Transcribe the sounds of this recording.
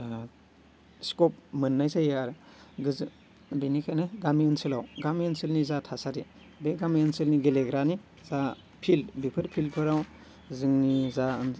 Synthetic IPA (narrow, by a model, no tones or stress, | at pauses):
skɔp̚mɯnːajsajeaɾ | ɡɯz | binikʰajnaɡamiɯnsɯlawɡamiɯnsilnizatʰasaɾi | beɡamiɯnsɯlniɡeleɡɾani | za | pʰilbipʰɯɾpʰilpʰɯɾaw | zɯŋnizan